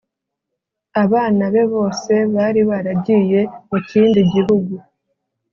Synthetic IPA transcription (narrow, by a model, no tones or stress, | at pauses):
aβaːnaβe̞βo̞ːse̞βaːɾiβaɾabɟiːje̞muciːndiɟiɦuɡu